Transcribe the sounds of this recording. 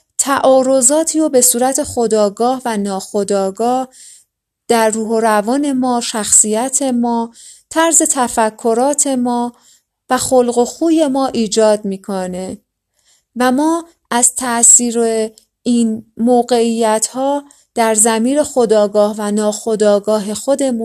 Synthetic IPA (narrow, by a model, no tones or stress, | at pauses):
t̪ʰæʔɒːɾo̞zɒːt̪ʰiːobe̞suːɾæt̪ʰe̞xo̞d̪ɒːɡɒːhvænɒːxod̪ɒːɡɒːh | d̪̥æɾːuːɦoɾævɒːne̞mɒːʃæxsiːjæt̪ʰe̞mɒː | t̪ʰæɾze̞t̪ʰæfækʰːo̞ɾɒːt̪ʰe̞mɒː | væxolɢoxuːje̞mɒːʔiːd͡ʒɒːd̪̚miːkʰone | væmɒː | ʔæz̥t̪ʰæʔsiːɾe | inmoːɣe̞ijːæt̪ʰhɒː | d̪̥æɾzæmiːɾe̞xod̪ɒːɡɒːhvænɒːxo̞d̪ɒːɡɒːɦe̞xo̞d̪e̞mu